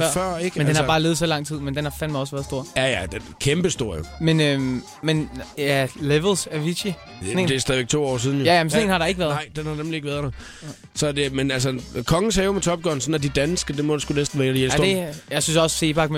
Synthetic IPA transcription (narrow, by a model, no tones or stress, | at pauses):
fɶɐ̰fɶɐ̰eɡ̥əmend̥enhɑ̈bɑ̈ːleːð̩ˠsɒ̽lɑ̈ŋ̰t͡sʰið̰ˠmend̥enhɑ̈fænmɑ̈ɪɒ̽sʋæːɐð̞ˠsd̥o̝ɐ̰jæjæd̥enkʰemb̥əsd̥o̝ɐ̰jomenøm | menæleʋlsæʋiɕi | nḛd̥e̝sdɛðˠʋeɡ̥̚t͡sʰo̝̰ːɒ̰ːsiːð̞ˠn̩jjæjæmensɔne̝̰ːnhɑ̈ɾɑ̈e̝ɡ̥ʋæːɐðɑɪ̰d̥enhɑ̈nemlie̝ɡ̥ʋæːɐðˠd̥ɑ | sɒ̽d̥emenælsəkʰɒ̽ŋn̩sɛːmet͡sʰɒ̽b̥̚ɡ̥ɒːn̩sɒ̽n̩æd̥id̥ænsɡ̥əd̥e̝mɒd̥usɡ̥unesd̥n̩ʋæːdijelsdejɑ̈ɪsynsɒ̽sə̥seːb̥ɑ̈ɡ̥me